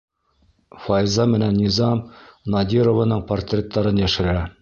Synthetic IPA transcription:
fɑjzɑmɘ̆nænːʲizɑmnɑd̪ʲiɾovənɤɴport̪rʲet̪ːɑɾɤnjæʃɘ̆ɾæ

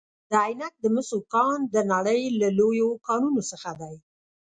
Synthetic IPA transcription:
d̪̥əajnat̪̚d̪əmʊsukɑnd̪ənaɽəjlalojokɑnunosəxad̪aj

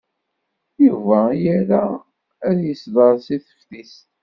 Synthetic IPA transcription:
juvæjæɾa | æðjəsðəɾˤsiθə̥ft̪ist̪

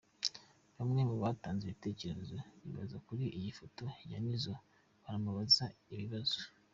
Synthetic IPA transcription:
βamŋe̞muβaːtaːnzeβite̞ːce̞ɾezoβḭβa̰zakuɾiʔijifoto̞ja̰nizo | βaɾamaβazaiβiβazo

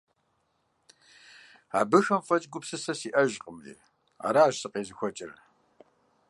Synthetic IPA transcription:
a̰ːbɨxɐmfɐt͡ʃʼɡʷʊpsɨsɐsiːʔɐʑqʼəmlḭː | a̰ːɾaːʒsɨqʼeːzɨxʷɔt͡ʃʼɪr

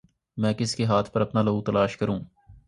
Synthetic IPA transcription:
mɛ̃ːkɪskeɦaːt̪ʰpɐɾɐpnaːlɐut̪ɐlaːʃkɐɾũː

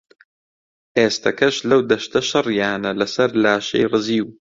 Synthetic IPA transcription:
ʔeːst̪ʰɐkɐʃlɐwd̪ɐʃt̪ɐʃɨrjaːnɐlɐsɐɾlaːʃḛjrɨziːw

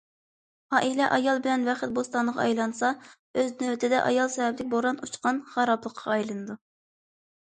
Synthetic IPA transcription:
ɑːʔilɛʔɑjɑlˠbɪlɛnvɛχɪt̪̚bost̪ɑnəʁɑ̰ɑjlˠɑnsɑ | øznøwt̪ʰɪd̪ɛʔɑ̰jɑlˠsɛvɛblɪkʲboɾɑnut͡ʃqɑnχɑɾɑplˠəqʰːɑɑjlˠɨnɨd̪u

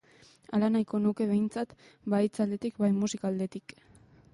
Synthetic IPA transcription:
alanajko̞nuke̞βe̞jnt͡sat̪ | bait͡sald̪e̞t̪ikbajmusikaːld̪e̞t̪ik

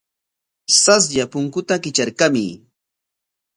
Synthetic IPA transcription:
sas̬ʎapʊŋkʊt̪akɪt͡ʃaɾkamɪ̰

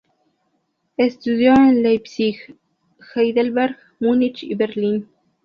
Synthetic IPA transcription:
est̪uðjoenlajpsix | xajd̪elbeɾɡ | munit͡ʃḭbeɾlin

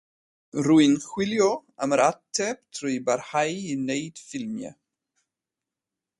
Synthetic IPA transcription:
ruɨnxwɪljɔaməɾatʰɛb̥tʰruɨbarhajinejd̥fɪlmja̰

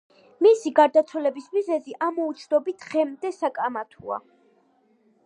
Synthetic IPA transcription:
misiɡaɾd̪at̪sʰwɛlɛbismizɛziʔamɔut̪sʰd̪ɔbit̪ʰʁɛmd̪ɛsakʼamat̪ʰua̰

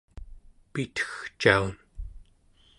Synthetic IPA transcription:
pit̪ʰə̥xt͡ʃaun

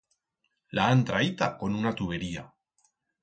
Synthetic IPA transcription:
laːnt̪ɾait̪akonunat̪uβeɾia

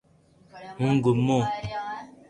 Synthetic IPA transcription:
muŋɡumo

